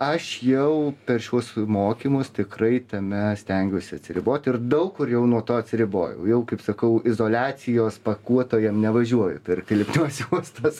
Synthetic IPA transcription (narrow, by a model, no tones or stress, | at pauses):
ɐʃjɛʊpʲɛrʃʲuɔsmoːkʲimʊst̪ʲɪkrɐɪt̪ɐmʲɛsʲt̪ʲɛŋʲɡʲʊsʲɪɐt̪ʲsʲɪɾʲɪboːt̪ʲɪrd̪ɐʊkːʊrjɛʊnuɔt̪oːɐtʲsʲɪɾʲɪboːjɛ̰ʊjɛʊkɐɪpsɐkɐʊɪzoːlʲæːt͡sʲɪjoːspɐkuɔt̪oːjɛmnʲɛʋɐʒʲuɔjʊ̰pʲɛrkkʲɪlʲɪpʲnʲuɔsjuɔst̪ɐs